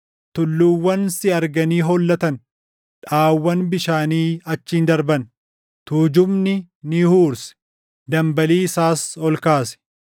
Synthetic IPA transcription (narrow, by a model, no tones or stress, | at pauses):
t̪ʊlːʊwːɐnsɪɐɾɡɐniːɦɔlːɐt̪ɐn | ᶑaːwːɐnbɪʃaːniːɐt͡ʃːiːnd̪ɐɾbɐn | t̪uːd͡ʒʊmnɪ | nɪhuːɾsɛ̥ | d̪ɐmbɐliːsaːsɔlkaːsɛ̥